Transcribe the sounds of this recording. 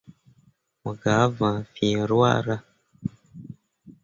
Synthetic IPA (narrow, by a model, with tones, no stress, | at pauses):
mu˨ɡa˨˦vã˨fi˨ɾwa̰ː˦ɾa˦